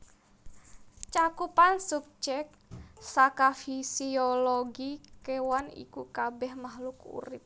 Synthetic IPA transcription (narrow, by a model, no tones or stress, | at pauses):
t͡ʃakupansup̚d͡ʒɛk̚ | sakafisioloɡikewanḭkukabɛhmaɦlukṵɾɪp̚